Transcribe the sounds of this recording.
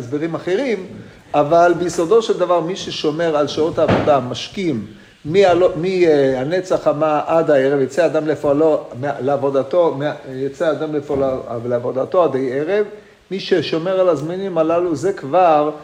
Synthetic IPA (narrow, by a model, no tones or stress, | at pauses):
esbeʁimaχe̞ʁim | ʔavalbeisod̪o̞ʃeld̪avaʁmiʃeʃo̞me̞ʁalʃaot̪haːvo̞d̪amaʃkimː | ialomiane̞t͡saχamaʔad̪aeʁevjat͡sead̪amlefoalomeleavo̞d̪at̪o̞mejat͡sead̪amlefolleavo̞d̪at̪oad̪ejeʁev | miʃeʃo̞me̞ʁalazmanimalaluze̞kvaʁ